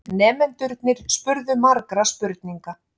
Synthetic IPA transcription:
nɛːmɛnt̪ʏɾt̪nɪɾ̥spʏɾðʏmaɾkɾaspʏɾt̪niŋka

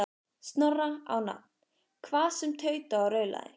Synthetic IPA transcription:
st̪nɔraa̰wna̰t̪̚n̥ | kʰvaːðsɛmt̪ʰœːɥt̪aawɾœːɥla̰ðɪ̰

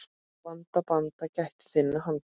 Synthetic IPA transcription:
pant̪apant̪acaht̪sɪnːaɦant̪

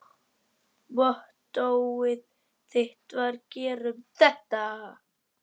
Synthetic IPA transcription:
vɔht̪owɪð | θeht̪vaɾcɛːɾʏmθɛht̪a

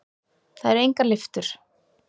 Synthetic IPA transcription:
θaðɛɾejŋkalɪft̪ʏɾ̥

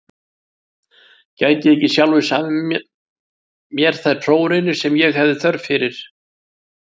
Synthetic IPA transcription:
caːjc̪ɪehcɪsjawlvɪsaːmɪm | mjɛɾ̥θaðt̪ʰɾoːwɾejnʏ̥sɛmjɛɣhɛvðɪθœɾðfɪɾɪɾ̥

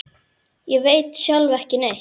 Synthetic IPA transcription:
jɛveːjt̪sjalvɛhcɪnej

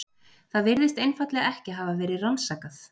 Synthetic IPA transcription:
θaðvɪɾðɪst̪ejnfat̪lɛɣaɛhcɪɦaːvavɛːɾɪransaːkaθ

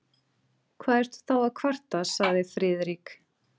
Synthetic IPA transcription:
kʰvaːðɛɾ̥t̪θawaðkʰvar̥t̪asaɣðɪfɾɪːðɾik

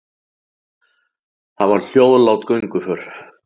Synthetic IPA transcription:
θaðvaɾ̥l̥joːwðlawt̪kœɥjŋkʏfœɾ̥

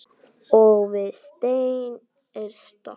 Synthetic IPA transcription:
ɔɣvɪðst̪ejn | ɛɾst̪ɔ

